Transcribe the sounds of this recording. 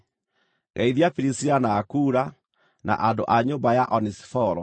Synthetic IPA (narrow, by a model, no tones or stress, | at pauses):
ɣʔaiðiafiɾisianaːkuːɾa | na̰ʔandoʔaɲombajaʔɔnisi̥fɔɾɔ